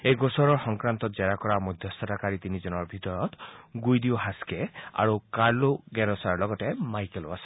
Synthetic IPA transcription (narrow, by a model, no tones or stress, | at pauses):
ejɡosɔɾɔɹxɔŋkɾant̪ɔzɛɾakɔɾamɔjd̪ʱjɔst̪ʰɔtakaɾit̪inid͡ʒɔnɔɹbʱit̪ɔjɔt̪ɡujd̪ioɦaskea̰ɹukaloɡɛɾɔsaɹlɔɡɔtemajkeloasɔ̥